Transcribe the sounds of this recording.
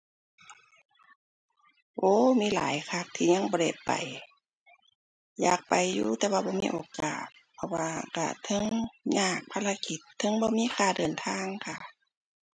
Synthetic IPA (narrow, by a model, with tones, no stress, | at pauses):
ʔoː˧˩miː˧˥˨la̰ː˨˦jkʰa˧˩k̚t̪ʰiː˧˩ɲa˧˥˨ŋbɔː˧le˧˩p̪̚pa̰˨˩j | ja̰ː˨˩k̚pa˨˩jːuː˧˩t̪ɛː˧waː˧˩bɔː˧˦mḭː˧ʔoː˨˩ka̰ː˨˩t̪̚pʰɔ˧waː˧ka̰˧˩t̪ʰɤ˧˥˨ŋɲaː˧˩k̚pʰa˧˥˨la˧ki˧˦t̪ʰːɤ˧˥˨ŋbɔː˧˦miː˧˥˨kʰaː˧˩dɤː˨˩nt̪ʰaː˧˥˨ŋkʰa˧˩